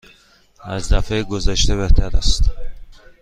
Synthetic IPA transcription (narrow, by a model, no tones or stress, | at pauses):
æzd̪æfeɡozaʃt̪eβeht̪ʰæɾast̪